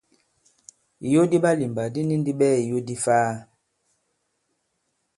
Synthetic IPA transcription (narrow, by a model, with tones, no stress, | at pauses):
i˨jo˦di˦ɓa˦li˨mba˨di˦ni˦n˦di˦ɓɛ˦i˨jo˦di˦faː˦